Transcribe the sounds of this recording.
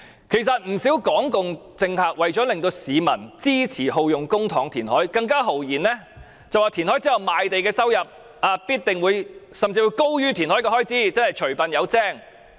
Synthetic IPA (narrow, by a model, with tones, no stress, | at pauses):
kʰe˨˩jsɐ˨t̚m̩˨˩si˨˥wkɔː˨˥ŋkʊ˨ŋt͡sɪ˧ŋhaː˨k̚wɐ˨jt͡ʃɔː˨˥lɪ˨ŋt̪o˧wsiː˨˧mɐ˨˩nt͡siː˥t͡sʰiː˨˩ho˨˧wjʊ˨ŋkʊ˥ŋt̪ʰɔː˨˥ŋt̪ʰiː˨˩nhɔː˨˥jkɐ˧ŋkaː˥ɦo˨˩wjiː˨˩nlɛː˥ | t͡sɐ˨waː˨˩t̪ʰi˨˩nhɔː˨˥jt͡siː˥jɐ˨˩wmaː˨˧jt̪e˨jkɛː˧sɐ˥wjɐ˨˩p̚ | aː˧piː˥t̚t̪ɪ˨ŋwuː˨˧j | sɐ˨mt͡siː˧wuː˨˧jko˥wjyː˥t̪ʰiː˨˩nhɔː˨˥jkɛ˧ɦɔː˥jt͡siː˥t͡sɐː˥nhɐ˨jt͡ʃʰɵ˨˩ɥpɐ˨njɐ˨˧wt͡sɛː˥˩ŋ